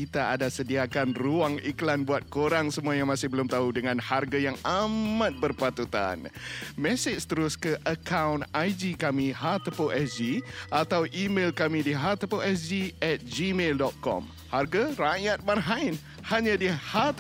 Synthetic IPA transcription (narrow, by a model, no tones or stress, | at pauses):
it̪aadasədiakanruaŋiklanbuat̪̚koɾaŋsəmuajamãsɪhbəlʊmt̪audəŋãnharɡajaŋamãt̪̚bərpat̪ut̪a̰nmɛsɪt͡ʃst̪əɾʊskəʔəkʰawnajd͡ʒikamĩhat̪əpoʔɛsd͡ʒiʔat̪awʔimelkamĩdiɦat̪əpoʔɛsd͡ʒiɛt̪̚d͡ʒimeldɔt̪̚kɔ̰m | harɡaɾajat̪̚marɦaɪn | haɲãdihat̪